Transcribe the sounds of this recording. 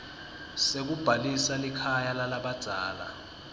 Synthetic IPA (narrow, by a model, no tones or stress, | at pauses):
sek̬ub̥ʱalisalikʰajalalaɓad̥ʱaːla̰